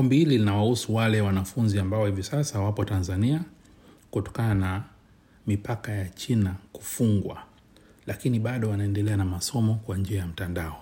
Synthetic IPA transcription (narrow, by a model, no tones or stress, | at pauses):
mbihililinawahusuwalɛwanafunziambaɔhivisasawapɔtanzania | kutɔ̥kanana | mipakajat͡ʃinaku̥fuŋɡwa̰ | lakiniɓaɗɔwanaɛndɛlɛanamasɔmɔkwand͡ʒiajam̩tandaɔ